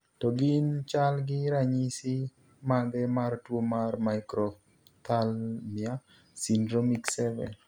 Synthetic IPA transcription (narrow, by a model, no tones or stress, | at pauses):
tɔɡɪnt͡ʃalɡɪɾaɲisi | maɡɛmartwomarmaɪkɾɔf | t̪ʰalmɪa | sindɾomiksɛvɛ̰n